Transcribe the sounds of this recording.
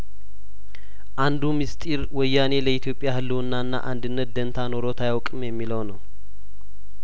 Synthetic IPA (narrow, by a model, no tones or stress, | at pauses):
ʔand̪umist̪ʼiɾwɔjːane̞ləit̪ʰjo̞pʼːjahɨlːɨunːanːa̰ʔand̪ɨnːət̪̚d̪ənt̪ʰano̞ɾo̞t̪ʰajawkʼɨmjɛmːiləwnəw